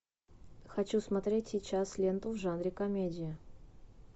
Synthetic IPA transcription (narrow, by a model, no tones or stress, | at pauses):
xɐt͡ɕusmɐt̪ɾʲetʲsʲɪt͡ɕaslʲent̪ʊvʐanɾʲɪkɐmʲedʲɪɪ